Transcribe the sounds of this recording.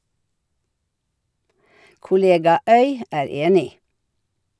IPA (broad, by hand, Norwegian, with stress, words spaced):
kʊˈleːɡɑ ˈœʏ ˈæːɾ ˈeːnɪ